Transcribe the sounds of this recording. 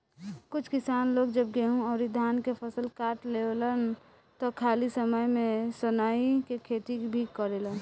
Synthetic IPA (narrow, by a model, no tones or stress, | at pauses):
kʊt͡ʃʰkɪsaːnloːɡd͡ʒəb̚ɡeɦũɔːɾid̪ʱaːnkepʰəsəlkaːɾʈleolən | t̪ɔkʰaːlisəməjmẽsənaikekʰet̪ibʱikəɾelən